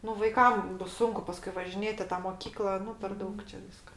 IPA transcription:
nʊ ʋɐɪˈkɐm ˈbʊs ˈsʊŋkʊ ˈpɑːskʊɪ ʋɐʒʲɪˈnʲeːtʲ ɪ ˈtɑː moːˈkʲiːklˠɐ ˈnʊ pʲɛr ˈdɐʊk t͡ʃʲɛ ˈʋʲiːskɐ

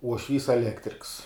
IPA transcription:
uɔʃʲˈʋʲiːs ɛˈlʲæːktʲrʲɪks

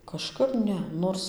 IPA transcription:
kɐʃˈkɐp ˈnʲɛ ˈnoːrs

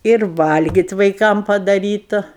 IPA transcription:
ɪr ˈʋɐlʲɡʲɪtʲ ʋɐɪˈkɐm pɐdɐˈrʲiːtʊ

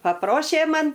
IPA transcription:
pɐˈproːʃʲeː ˈmɐn

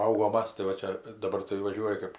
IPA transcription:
pɐˈɐʊɡoːm ˈmɐs tɐɪ ʋɐ ˈt͡ʃʲɛ dɐˈbɐr tɐɪ ʋɐˈʒʲuɔjɪ kɜp

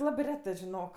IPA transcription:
ˈlˠɑːbɜ ˈrʲæːtɜ ʒʲɪˈnoːk

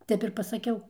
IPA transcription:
ˈtʲɛp ɪr pɐsɐˈkʲɛʊ

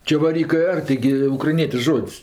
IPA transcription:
t͡ʃʲɛʋɐˈrʲiːkɜ ˈɐr tɐɪˈɡʲɪ ʊkrɐɪˈnʲiɛtʲɪʃ ˈʒoːtʲsʲ

